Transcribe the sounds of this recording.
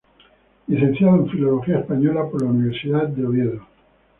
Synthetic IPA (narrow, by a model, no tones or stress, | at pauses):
liθẽ̞n̟θjaðoẽɱfilo̞lo̞xiaespaɲo̞lapoɾlauniβ̞e̞ɾsiðatd̪eoβjeðo